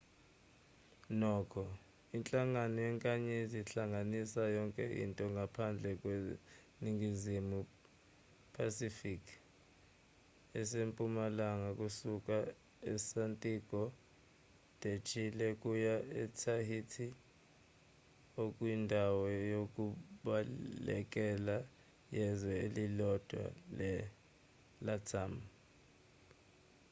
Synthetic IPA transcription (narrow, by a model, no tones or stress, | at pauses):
nɔːkʰɔ | int͡ɬʼaŋanɔjɛŋkʼaɲeziɬaŋanisajɔŋkʼɛʔḭntʼɔŋɡʱapʰand͡ɮʱɛk̬ʼwe | niŋɡizimu | pʰasifikʰ | ɛsempʼumalaŋakʼusuk̬ʼa | ɛsantʼik̬ʼɔ | tʼet͡ʃʰʼilɛkʼujaɛtʰahitʰi | okʼwindʱawɔjok̬ʼuɓalɛ̰k̬ʼɛla | jɛzɛelilɔd̥ʱwa̰lɛ | latʰam